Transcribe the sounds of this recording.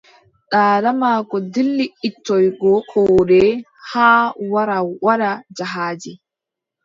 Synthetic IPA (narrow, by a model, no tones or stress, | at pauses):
ɗaːɾamaːkɔdilːiitːɔjɡɔkʰɔːɗɛ | haːwaɾawwaɗad͡ʒaɦaːd͡ʒi